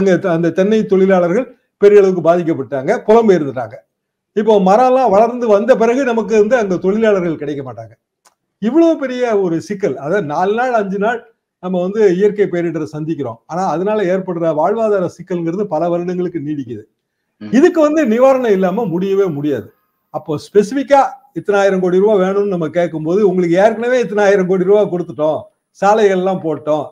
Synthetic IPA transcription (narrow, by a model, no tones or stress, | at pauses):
ɐŋɡɐɐnd̪ɐt̪ɛnːɐɪt̪ɔɭɪlaːɭɐɾɣɐɭ | pɛɾɪjɐɭɐʋɯk̬ːɯbaːðɪk̬ːɐpːɐʈːaːŋɡɐkɔlɐmbɐɪɾɯnd̪ɯɾa̰ːŋɡɐ | ɪp̬ːoːmɐɾaːlãːʋɐɭɐɾnd̪ɯʋɐnd̪ɐp̬ɪɾɐɣɯnɐmɐk̬ːɯɾɯnd̪ɯɐŋɡet̪ɔɭɪlaːɭɐɾɣɐɭkɪɽɐɪkːɐmaːʈːa̰ːŋɡɐ | ɪʋːɐɭɐʋopɛɾɪjɐɔɾɯsɪkːɐlɐðɐnaːlnaːɭɐɲd͡ʒɯnaːɭ | nɐmːɐʋɐnd̪ɯɪjɐɾkɐɪpeːɾɪʈːɐɾɐsɐnd̪ɪkʲːɪɾõ̰ːaːnaːɐðɐnaːlɐeːɾpɐɽːɯɾɐʋaːɻʋaːðaːɾɐsɪkːɐlnɡɪɾɐðɯpɐlɐʋɐɾɐnɐŋɡɐɭɯkːɯniːɽɪkːɪɐðɯ | ɪðɯkːɯʋɐnd̪ɯnɪʋaːɾɐɳɐɪlːaːmɐmʊɽɪjɐʋeːmʊɽɪja̰ːðɯ | ɐpːoːspɛsɪfɪkːaːɪt̪ːɐnaːjɪɾɐmkoːɽɪɾɯʋaːʋeːɳɯnːɯnɐmːɐkeːʈk̬ːɯmpoːðɯʊŋɡɐɭɯkːɯjaːɾɯk̬ːɐɳɐʋeːɪt̪̬ːɐnaːjɪɾɐmkoːɽɪɾɯʋaːkɔɽɯt̪ːɯʈːõː | saːlɐɪɣɐɭɛlːãːpoːʈːõː